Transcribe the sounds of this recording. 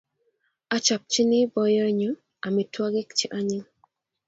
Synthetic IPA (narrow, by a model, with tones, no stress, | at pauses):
a˦t͡ʃa˨p̚t͡ʃi˦ni˦bɔ˨jɔ˦ɲu˦ | a˨mi˨twa˦ɡɪ˦kt͡ʃi˦ʔa˦ɲɪ˦ŋ